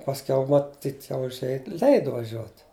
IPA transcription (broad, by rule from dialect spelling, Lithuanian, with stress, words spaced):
pɐsʲˈkʲɛʊ mɐˈtʲiːt jɛʊ ʊʒʲˈeːj ˈlʲɛɪdʊ ʋɐˈʒʲuɔt